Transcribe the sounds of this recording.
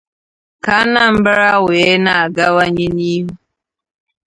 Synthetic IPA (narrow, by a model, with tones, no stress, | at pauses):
ka˨˦na˦˨m̩˦bɾa˦we˨˦na˨a˨ɡa˦wa˦ɲe˦niː˦ɦu˦